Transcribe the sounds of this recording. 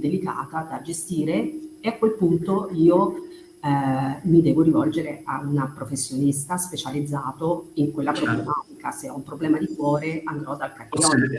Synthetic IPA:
d̪elika̰ːt̪ad̪ad͡ʒest̪iːɾeeakːwelpunt̪oiːo | mid̪ɛːvoɾivɔld͡ʒeɾea̰unapɾofesːjonist̪aspet͡ʃalid̪zːaːt̪oiŋkwelːapɾoblemaːt̪ikaseɔumpɾoblɛːmad̪ikwɔːɾeand̪ɾɔd̪alkarkjɔn

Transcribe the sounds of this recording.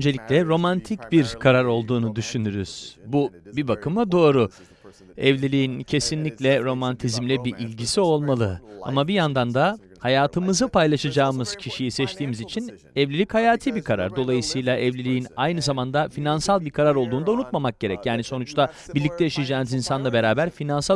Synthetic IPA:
ønd͡ʒeicʲlʲɛɾo̞mant̪ʰicbiɾkʰaɾaɾo̞lˠd̪uːnud̪yʃynyɾyz̥bubibakʰɯmad̪o̞ːɾu | ɛvlʲilʲiːincʰe̞sinlʲiclʲɛɾo̞mant̪ʰizmlʲɛbiʔilʲɟisio̞lˠmalˠɯa̰mabijand̪and̪a | hajaːt̪ʰɯmɯzɯpʰajlˠaʃad͡ʒaːmɯz̥cʰiʃijisɛt͡ʃt̪ʰiːmizit͡ʃʰin | ɛvlʲilʲichajaːt̪ʰibikʰaɾa̰ɾd̪o̞lˠajɯsɯjlˠaʔɛvlʲilʲijinajnɯzamand̪afinansalˠbiɾkʰaɾaɾo̞lˠd̪uːnd̪aunut̪mamak̚ɟ̥e̞ɾɛcjaːniso̞nut͡ʃt̪ʰa | biɾlʲic̚t̪ʰɛjaʃajad͡ʒaːnɯzinsanlˠabe̞ɾaːbæɾfinansa

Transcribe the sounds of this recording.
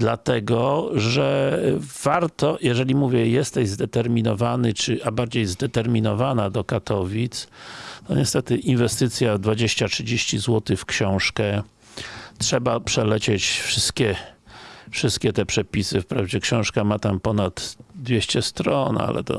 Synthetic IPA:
d̪lat̪ɛɡɔʐɛ | v̥aɾt̪ɔjɛʐɛlʲimuvʲjɛjɛst̪ɛʑzd̪ɛt̪ɛɾmʲinɔvanɘt͡ʂɘʔabaɾd͡ʑejzd̪ɛt̪ɛɾmʲinɔvanad̪ɔkat̪ʰɔvʲit̪st̪ɔ̰ɲɛst̪ɛt̪ɘʔinvɛst̪ɘt̪sʲjad̪vad͡ʑeɕt͡ɕatʂɘd͡ʑeɕt͡ɕizwɔt̪ɘfkɕɔ̃w̃ʂkɛ | tʂɛbapʂɛlɛt͡ɕet͡ɕfʂɘst̪kʲɛ | fʂɘst̪̚kʲɛt̪ɛpʂɛpʲisɘfpɾavd͡ʑɛkɕɔ̃w̃ʂkamat̪ampɔnat̪d̪vʲjeɕt͡ɕɛst̪ɾɔna̰lɛ̰t̪ɔ̰

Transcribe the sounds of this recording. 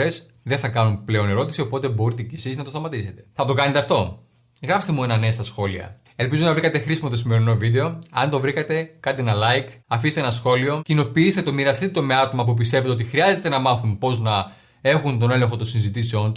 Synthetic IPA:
e̞s | ðeθɐkɐnunple̞o̞ne̞ɾo̞t̪isio̞po̞t̪e̞bo̞ɾit̪ecesiznɐt̪ost̪ɐmɐt̪ise̞t̪e̞̥θɐt̪o̞kɐnet̪e̞ɐft̪o̞ | ɣɾɐpst̪e̞mue̞nɐnest̪ɐsxo̞liɐ̰ | e̞lpizunɐvɾikɐt̪e̞xɾisimo̞t̪o̞sime̞ɾino̞vid̪e̞o̞ɐnt̪o̞vɾikɐt̪e̞kɐnt̪eenɐlɐjkɐfist̪eenɐsxo̞lio̞cino̞piist̪et̪omiɾɐst̪it̪ome̞ɐt̪o̞mɐp̬up̬ist̪e̞ve̞t̪eo̞t̪ixɾiɐze̞t̪e̞nɐmɐθunpo̞znɐ | e̞xunt̪o̞ne̞le̞ŋxo̞t̪onsinzit̪iseo̞nt̪u

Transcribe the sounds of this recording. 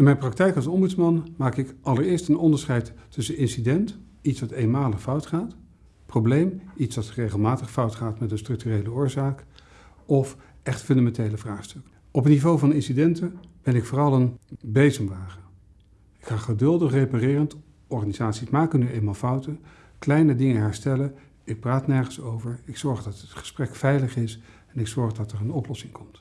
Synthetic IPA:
ɪnmɛjnprɑk̚tɛjkɑlˠsɔmbytsmɑnmaːkɪkʔɑləɹɪːɹstənɔndəɹsχɛjtːɵsənɪnsidɛnt | itsʋɑtejnmaːləχfʌwtχaːt | prowblejmitsʋɑtrejχəlˠmaːtəχfʌwtχaːtmɛtənstrɵk̚tyrejləʊːɹzaːk | ɔf | ɛχtfɵndamɛntejləvraːχstɵk | ɔpətnivowvɑnɪnsidɛntəb̥ɛnɪkfʊːrɑlˠənbejzəmʋaːχə | ɪkχaːχədɵlˠdəχrejparɪːrənt | ɔɹχanizaːtsimaːkənyejnmaːlˠfʌwtə | klɛjnədɪŋəɦɛɹstɛlə | ɪk̚praːtnɛɹχənsowvəɹɪksɔɹχdɑtətχə̥sprɛkfɛjləχɪs | ɛnɪksɔɹχdɑtərənɔplɔsɪŋkʰɔmt

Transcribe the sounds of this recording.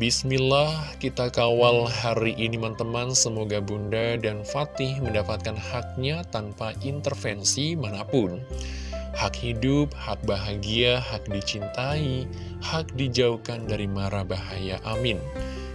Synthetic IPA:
bismilahkit̪akawalɦaɾiʔinimant̪əmansəmoɡabundadanfat̪ɪhməndapat̪̚kanhak̚ɲat̪anpaʔint̪ərfɛnsimanapʊn | hakhidʊp̚hak̚baɦaɡiaɦak̚dit͡ʃint̪ai | hak̚did͡ʒaukandaɾimaɾabaɦajaʔamɪn

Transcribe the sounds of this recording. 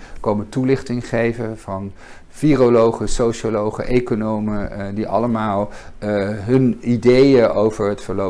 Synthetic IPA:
kowmətulɪχtɪŋχejvəv̥ɑn | firolowχəsowʃolowχə̰ʔejkonowmədiʔɑ̰ləmaːlˠ | ɦɵnidejəʔowvəɹɦətfəɹlo

